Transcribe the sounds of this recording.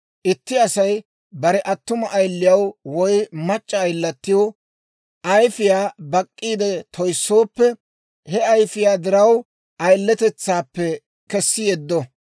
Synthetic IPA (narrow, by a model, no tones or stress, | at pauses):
ʔɪt̪ːɪɐsɐj | bɐɾɛʔɐt̪ːʊmɐʔːjlːɪjɐwwɔjmɐt͡ʃʼːɐːjlːɐt̪ːɪjoː | ʔɐjfɪjaːbɐkʼːiːd̪ɛt̪ʰɔjsːo̞ːpːɛ | hɛɐjfɪjaːd̪ɪɾɐw | ʔɐjlːɛt̪ɛt͡sːaːpːɛ | kɛsːɪjɛd̪ːɔ